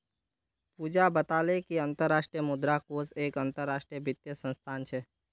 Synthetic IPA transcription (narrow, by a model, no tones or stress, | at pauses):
puːd͡ʒabət̪aːlekiə̃nt̪əɾːaːʃʈɾijəmʊd̪ɾakoːseːkə̃nt̪əɾːaːʃʈɾijəbɪt̪jəsə̃nst̪ʰaːnt͡ʃʰɛː